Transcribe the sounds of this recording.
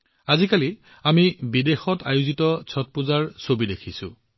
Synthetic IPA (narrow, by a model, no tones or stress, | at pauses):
azikali | amibidexɔtajuzitɔt͡sʰɔt̚pʊzaɹsobidekʰisʊ̰̃